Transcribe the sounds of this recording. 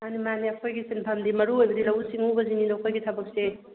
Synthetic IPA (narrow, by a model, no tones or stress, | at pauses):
animaniɐkʰojɡisenpʰamdimɐɾuojbɐdilɐwsiŋubɐzinindokʰojɡitʰɐbɐk̚se